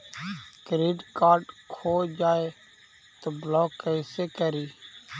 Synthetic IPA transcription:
kɾiːɖkaːɾɖkʰoːd͡ʒaːe | t̪oːblɔːkːəɪseːkəɾiː

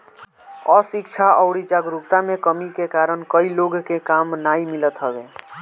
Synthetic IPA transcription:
əsikt͡ʃʰaʔəʊɽit͡ʃaɡɾupt̪amekəmikekaɾənkəiloɡkekamnaimilət̪ɦəbe

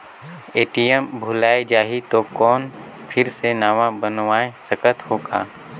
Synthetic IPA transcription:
eːʈijəmbʱʊlaːed͡ʒaːɦit̪okɔːn | pʰɪɾsenaːʋãbənʋaːesəkət̪hoːɡa̰ː

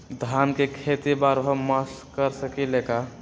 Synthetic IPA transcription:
d̪ʱankekʰet̪ibaɾɦəmaskəɾsəkileka

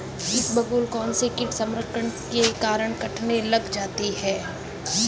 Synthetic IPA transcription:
ɪkbɐɡuːlkɔːnsekɪʈsɐ̃mɾəkəɳkekaːɾəɽ̃kɐʈʰnelɐɡd͡ʒaːt̪iɦɛː

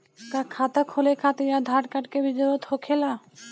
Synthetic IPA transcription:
kakʰat̪akʰholekʰat̪iɾad̪ʱaʈkaʈkebid͡ʒoɾot̪hokʰela

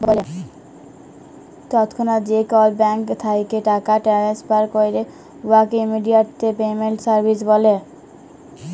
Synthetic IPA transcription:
bɔle | t̪ɔt̪kʰonad͡ʑekɔlbɛŋkt̪ʰajkeʈakaʈɛɾespaɾkojɾe | wakeimiɖijaʈt̪epemeɳʈsaɾbʱisbɔle

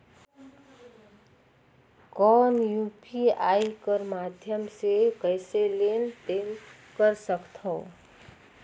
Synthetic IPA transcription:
kɔnjupiajkəɾmad̪ʱjəmsekəjselent̪en | kəɾsəkt̪ʰɔʊ

